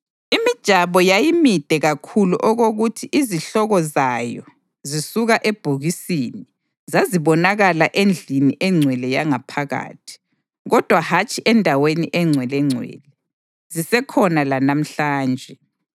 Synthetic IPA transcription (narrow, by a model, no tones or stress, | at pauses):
imid̥ʒ̥ʱaβɔjajimid̥ʱɛɣakʰulṵʔɔɣoɣutʰiʔiziɬɔɣɔzajɔ | zisuɣaʔeb̥ʱuɣisini | zaziβɔnaɣalaʔend͡ɮʱiniʔɛŋ͡ǀʱwɛlɛjaŋapʰaɣa̰ːtʰi̥ | ɣɔd̥ʱwahat͡ʃʼiʔɛndʱaweniʔɛŋ͡ǀʱwɛlɛŋ͡ǀʱwɛ̰ːlɛ | zisɛkʰɔnalanam̩ɬaːnd͡ʒʱɛ